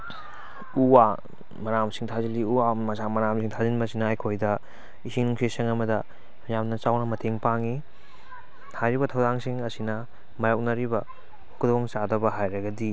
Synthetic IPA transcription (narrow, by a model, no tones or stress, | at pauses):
uwa | mɐɾamsiŋtʰaziliuwamɐsamɐɾamsiŋtʰazinbɐsinɐːjkʰojdɐ | isiŋnuŋsʰesiŋɐmɐdɐ | jamnɐt͡ʃawnɐmɐtʰeŋpaŋi | hajɾibɐtʰɐwdaŋsiŋɐsinɐ | mɐjowk̚nɐɾibɐ | kʰudoŋt͡ʃadɐbɐɦajɾɐɡɐdi